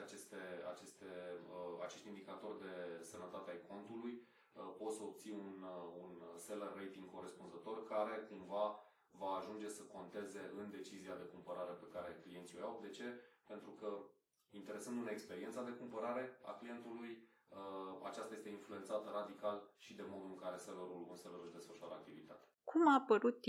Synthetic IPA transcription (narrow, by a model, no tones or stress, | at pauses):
at͡ʃe̞st̪e̞a̰t͡ʃe̞st̪e̞at͡ʃe̞ʃt̪ind̪ikat̪o̞rd̪e̞sənət̪at̪eajkʰo̞nt̪uluj | po̞t̪səob̚t̪siuununse̞lərːejt̪iŋɡko̞ɾe̞spunzət̪o̞rkaɾe̞kumva | vaːʒund͡ʒe̞səko̞nt̪e̞ze̞ʔɨnd̪e̞t͡ʃiziad̪e̞kumpəɾaɾe̞pe̞kaɾe̞klijent̪siojawd̪e̞t͡ʃe̞pe̞nt̪ɾukə | int̪e̞ɾe̞sənd̪ɨne̞kspe̞ɾie̞nsad̪e̞kumpəɾaɾe̞a̰klije̞nt̪uluj | a̰t͡ʃast̪aje̞st̪einflue̞nt̪sat̪əɾad̪ikalʃid̪e̞mo̞d̪uɨŋkaɾe̞seləɾulunseləɾuʃd̪e̞sfəʃoaɾəak̚t̪ivit̪at̪e̥kʰumapəɾut̪ː